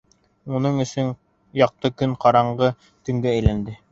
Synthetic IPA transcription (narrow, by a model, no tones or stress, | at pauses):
unɤɴɵ̆sɵŋ | jɑq̚t̪ɤkɵɴqɑɾɑɴʁɤ | t̪ɵ̆ŋɡææjlænd̪ɘ